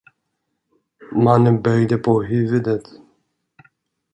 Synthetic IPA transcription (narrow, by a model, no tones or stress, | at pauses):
manənbœɡd̪əpʰɔɦʉːvəd̪ət̪